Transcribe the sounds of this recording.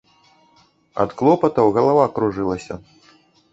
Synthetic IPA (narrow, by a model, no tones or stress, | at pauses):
ɐ̰t̪klˠɔpɐt̪ɐwɣɐlˠavakɾuʐɨlˠɐsʲɐ̰